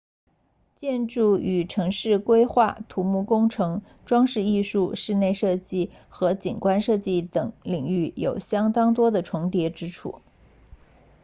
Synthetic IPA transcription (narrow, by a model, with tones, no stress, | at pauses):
t͡ɕjɛ˥˧nʈ͡ʂu˥˩y˨˩ʈ͡ʂʰɤ˧˥ŋʂɻ̩˥˩kwe˥ɪxwa˥˩t̪ʰu˧˥mu˥˩kʊ˥ŋʈ͡ʂʰɤ˧˥ŋ | ʈ͡ʂwɑ˥ŋʂɻ̩˥˧i˥˧ʂu˥˧ʂɻ̩˥˧ne˥˧ɪʂɤ˥˧t͡ɕi˥˩ | xɤ˧˥t͡ɕḭ˨˩nkwa˥nʂɤ˥˧t͡ɕi˥˩t̪ɤ˨˩˦ŋli˨˩ŋy˥˩jo˨˩ʊɕjɑ˥ŋt̪ɑ˥ŋt̪wɔ˥d̪ə˨ʈ͡ʂʰʊ˧˥ŋt̪jɛ˧˥ʈ͡ʂɻ̩˥ʈ͡ʂʰṵ˥˩